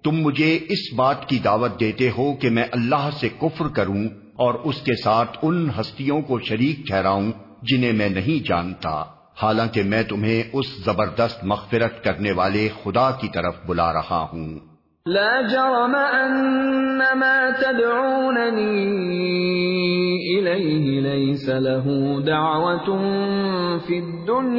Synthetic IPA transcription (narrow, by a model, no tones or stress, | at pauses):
t̪ʊmːʊd͡ʒʱeɪsbaːt̪kid̪aːʋət̪̚d̪eːt̪eɦokemɛ̃ːʔɐlːaːɦsekʊfɾkɐɾũ | ɔːɾʊskesaːt̪ʰʊnɦɐst̪ijõkoʃɐɾiːk̚ʈʰɛːɾaːũ | d͡ʒɪnẽmɛ̃ːnɐɦĩd͡ʒa̰ːnt̪a̰ː | haːlãːkemɛ̃ːt̪ʊmɦẽʔʊszɐbəɾd̪əst̪mɐɣfɪɾət̪kɐɾneʋaːlexʊd̪akit̪ɐɾəfbʊla̰ɾɐ̰ha̰ɦũː | laːd͡ʒɑɾˤɑmaʔanːamaːt̪ad̪ʕuuːnaniː | ʔɪlajɦɪlajsalaɦuːd̪aʕwat̪ | fid̪ːʊnj